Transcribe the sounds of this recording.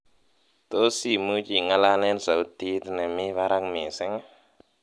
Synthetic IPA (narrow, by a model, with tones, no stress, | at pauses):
t̪o˦si˦˨mɨ˦t͡ʃi˦˨ŋa˧la˧ne˦nsa˨wti˧˦t̪na˨mi˦βa˦ɾa˦kme˨sɛ˦ŋ˦